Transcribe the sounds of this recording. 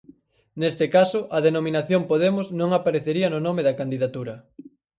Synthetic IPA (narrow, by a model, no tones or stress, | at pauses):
nest̪ɪkasʊʔɐðenomĩnaθjoŋpoðemʊznõŋapaɾeθeɾiɐnʊnomeðɐkand̪iðat̪uɾɐ